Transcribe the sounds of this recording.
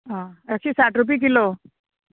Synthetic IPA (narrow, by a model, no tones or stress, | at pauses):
ɦãəksiːsaʈɾup̬ik̬ilo